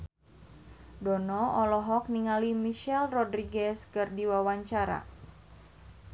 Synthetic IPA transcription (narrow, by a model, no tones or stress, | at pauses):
dɔnɔɔlɔɦɔk̚niŋalimiʃɛlrɔdɾiɡɛskɨrdiwawaɲt͡ʃaɾa̰